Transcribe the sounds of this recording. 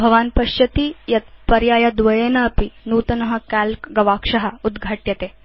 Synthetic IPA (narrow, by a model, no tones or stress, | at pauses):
bʱɐʋaːnpɐʃjɐt̪ijɐt̪pɐɾjaːjɐd̪ʋɐjeːnɐːpinuːt̪ɐnɐɦɐ̆kælkɡɐʋaːkʂɐɦɐ̆ud̪ɡʱaʈjɐt̪eː